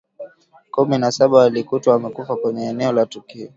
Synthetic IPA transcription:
kuminasaɓaalikutwɔamɛkufakwɛɲɛːnɛɔlatukiɔ

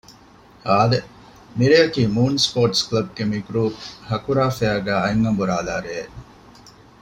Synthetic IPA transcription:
haːle | miɾeɐkiːmuːnspoːʈsklɐb̚ɡemikuɾuːhɐkuɾaːfeæːɡæːɐeŋɡɐmbuɾaːlaːɾeː

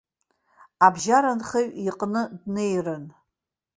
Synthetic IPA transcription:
abʒaɾanχeɥiqʼnɨdnejrɨn

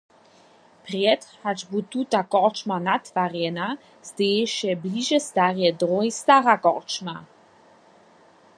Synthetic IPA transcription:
pʁjɛt̪hat͡ʃbut̪ut̪akɔʁt͡ʃmanat̪vaʁjɛna | zd̪eɛʃjɛbliʒɛst̪aʁjɛdʁɔjst̪aʁakɔ̰ʁt͡ʃma

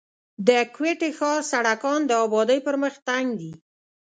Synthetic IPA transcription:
d̪əkweʈexɑɾsaɽakɑnd̪əɑbɑd̪əjpəɾməxt̪aŋɡd̪i

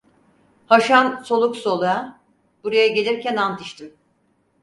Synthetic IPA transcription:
haʃanso̞lˠukso̞lˠaa | b̥uɾajaɟe̞lʲiɾcʰænant̪ʰɯʃt̪ʰɯm

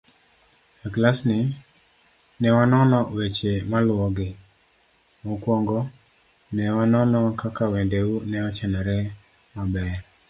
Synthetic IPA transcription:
eklasnɪ | nɛwanɔnɔwet͡ʃemalwɔɡɪ | okwɔŋɡɔ | nɛwanɔnɔkakawendeunɛɔt͡ʃɛnɛɾɛ | mabɛr

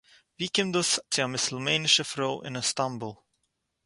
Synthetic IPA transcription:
vikɪ̃md̪ʊstiamɪslˠmenɪʃəfɾoʊʔɪ̰̃nəstãmbəlˠ

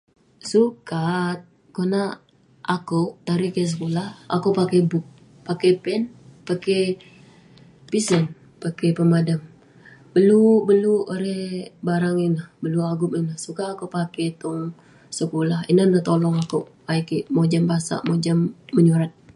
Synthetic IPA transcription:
sukat̪̚ | kona | ʔakot̪aɾikɛs̬əkulaha̰kopakebʊk̚ | pakɛpɛnpake | pisən | pakepəmadam | b̥əlubəluoɾɛhbaɾaŋinlahbəluaɡʊminahsukaːkopakɛt̪ɔŋ | səkulahinanaht̪olɔŋakoʔ | aikiʔmod͡ʒambasa̰ʔmod͡ʒamːəɲuɾat̪̚

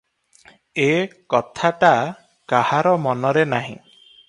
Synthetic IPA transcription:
ekɔt̪ʰaʈa | kahaɾɔmɔnɔɾenaɦḭ̃

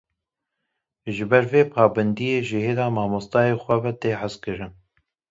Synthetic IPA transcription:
ʒɨbɛɾveːpʰɑːbɛnd̪ijeːʒɪhed̪ɑːmɑːmost̪ɑːjeːxʷɛbɛt̪eːħazkɨɾɨn

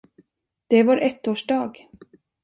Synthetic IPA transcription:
d̪̥ɛvaɾʔɛt̪ːoːʂɖɑːɡ

